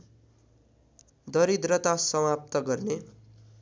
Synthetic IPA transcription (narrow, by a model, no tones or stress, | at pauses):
d̪ʌɾid̪rʌt̪asʌwap̚t̪ʌɡʌrne